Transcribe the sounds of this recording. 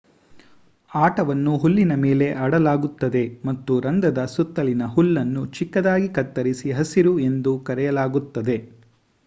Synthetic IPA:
aːʈɐʋɐnːuɦulːinɐme̞ːle̞ʔɐɽɐlaːɡut̪ːɐd̪e̞mɐt̪ːuɾɐnd̪ɐd̪ɐsut̪ːɐlinɐɦulːɐnːut͡ʃikːɐd̪aːɡikɐt̪ːɐɾisiɦɐsiɾue̞nd̪ukɐɾɛjɐlaːɡut̪ːɐd̪e̞

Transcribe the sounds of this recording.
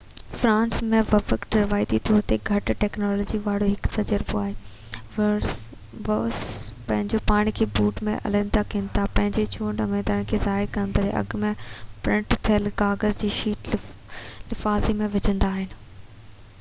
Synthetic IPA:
fɾãːnsmẽʋɐfəkɖɐɾʋaːɪd̪it̪ʰoːt̪eɡʱɐʈʈɛːknɔːlɔːd͡ʑiʋaːɽ̤oɦɪkt̪ɐd͡ʑəɾboaːɦeː | ʋospɐ̃ɦɪ̃ɲd͡ʑopaːɽ̃ikʰeːbuːʈmḛ̃ʔɐ̰lə̃nd̪akĩːnt̪ʰapɐ̃ɦɪ̃ɲd͡ʑet͡ɕʰuːɳɖɐmeːd̪aːɽ̃kʰeːzaːɦɪɾkɐnd̪aːɾḛʔɐ̰ɡmẽpɾɪ̃ɳʈt̪ʰɐəlɡaːɡəɾd͡ʑiːʃiːʈ | lɪfaːzimẽʋɪd͡ʑə̃nd̪aːɦɪnɪ̆

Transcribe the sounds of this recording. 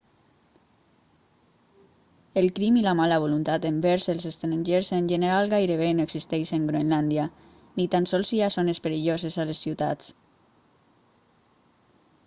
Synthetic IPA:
elkɾimilamalaβ̞olunt̪at̪embɛɾselˠsest̪ɾanʲʒeɾzenʲʒeneɾalˠɣajɾeβenoeksist̪ɛjʃeŋɡɾoenland̪ja | nit̪ansɔlˠsiasonespeɾiʎozezalesːiwt̪a̰t͡s

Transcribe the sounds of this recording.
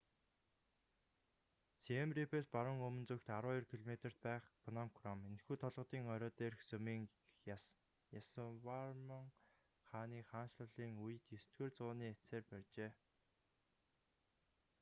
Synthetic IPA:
siemripʰespaɾə̆ŋɵmɵ̆nt͡sɵkt̪aɾʊːirkʰiɮɔmet̪ə̆r̥t̪̚pæːχpʰɔnɔmkʰrɔmenxuːt̪ʰɔɮʁɞ̆t̪iːŋœɾʲɔːt̪eːrxsɵmiːŋ | jaswarməŋ | χaːniːχaːnʃɮə̆ɮiːŋuj̆t̪jɵst̪̚ɡĕːrt͡sʊːniːeseːrpærʲt͡ɕeː

